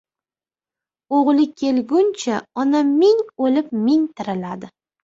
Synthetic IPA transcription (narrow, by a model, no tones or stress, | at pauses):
oʁlɪkʲʰe̞lɡʲʊnt͡ʃʰaɒnamɪŋolɪp̚mɪŋt̪ʰɪɾɪlad̪ɪ